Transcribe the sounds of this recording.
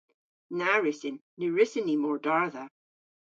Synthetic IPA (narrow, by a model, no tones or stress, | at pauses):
naɹɪsɪnːʉɹɪsɪnimɔɹdaɹðə